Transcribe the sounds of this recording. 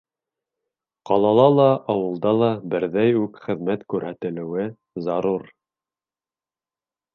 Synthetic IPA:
qɑlˠɑlˠɑlˠɑʔːwɤ̆lˠd̪ɑlˠɑbɘ̆ɾðæjʉkχɘ̆ðmæt̪kʉɾhæt̪ɘ̆lɘ̆wɘ | zɑɾuɾ

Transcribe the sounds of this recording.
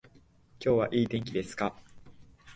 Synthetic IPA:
kʲo̞ːβaʔiːd̪ẽ̞ŋkʲid̪e̞sɨ̥ka

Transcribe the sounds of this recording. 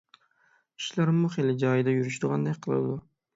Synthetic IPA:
i̥ʃlaɾmʊχelɪd͡ʒɑjɪd̪ajuɾyʃd̪ʊʁɑnd̪ajʲqʰɨlˠɪ̰d̪ʊ

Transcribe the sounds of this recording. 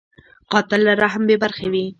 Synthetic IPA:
qɑt̪ɪlːaɾaɦambebaɾxewi

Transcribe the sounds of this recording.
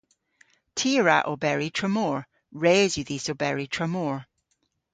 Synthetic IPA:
tʰiɹa̰ʔobɛɹitʰɹ̥əmoːɹ | ɹeːzjəðisobɛɹitʰɹ̥əmoɹ

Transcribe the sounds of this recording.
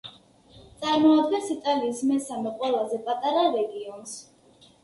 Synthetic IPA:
t̪sʼaɾmɔad̪ɡɛnsit̪ʼaliːsmɛsamɛqʼwɛlˠazɛpʼat̪ʼaɾaɾɛɡiɔns

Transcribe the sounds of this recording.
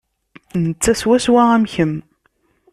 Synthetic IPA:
nət͡sːæswæswææmçəm

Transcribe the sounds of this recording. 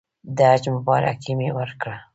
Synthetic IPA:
d̪ad͡ʒmʊbɑɾa̰kʰimewəɾkɽa

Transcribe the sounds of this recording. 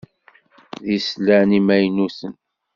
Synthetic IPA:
ðislænimæjnusən

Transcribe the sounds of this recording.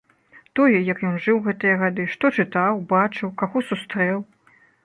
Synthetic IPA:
t̪ɔjɛjɐkjɔnʐɨwɣɛt̪ɨjɐɣad̪ɨʂt̪ɔt͡ʂɨt̪awbat͡ʂɨwkaɣɔsust̪ɾɛw

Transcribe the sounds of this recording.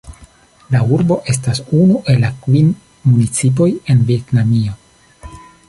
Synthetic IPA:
lauɾbo̞ʔe̞s̬tasunuʔe̞lakvin | munit͡sip̬o̞je̞nvietnamio̞

